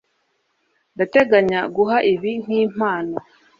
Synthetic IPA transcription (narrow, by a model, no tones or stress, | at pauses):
ndate̞ɡaɲaɡuɦaʔiβin̥iːm̥aːna